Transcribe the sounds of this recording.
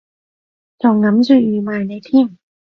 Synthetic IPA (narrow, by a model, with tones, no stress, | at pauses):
t͡ɕɔː˧˩ŋŋːa˧˥msu˧˩iː˧˩maː˧˩jna˧˥jt̪ʰi˥˩əŋ